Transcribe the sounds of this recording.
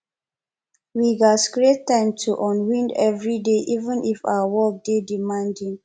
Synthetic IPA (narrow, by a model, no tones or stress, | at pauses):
wiɡaskɹetːãɪ̃mtʰuʔɔ̃nwĩndɛvɹideʔivə̃nʔifa̰wəwɔk̚dedimãndĩn